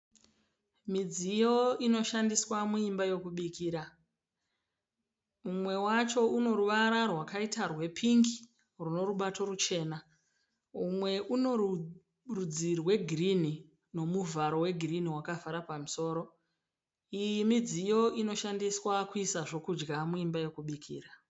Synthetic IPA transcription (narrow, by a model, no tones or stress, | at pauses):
mid͡zijo̞ino̞ʃandiswamuimbajo̞kuɓikiːɾa | mumwe̞wat͡ʃo̞uno̞ɾuʋaɾarwakaitarwe̞pʰiŋɡi | runo̞ɾuɓato̞rut͡ʃe̞ːna | umwe̞ʔuno̞u | rud͡zirwe̞ɡʱirini | no̞muvaɾo̞we̞ɡʱiriniwakavaɾapamuso̞ːɾo̞ | ijimid͡ziːjo̞ʔino̞ʃandiswakuisaʐo̞kud͡ʒɡamuimbajo̞kuɓikʰḭːra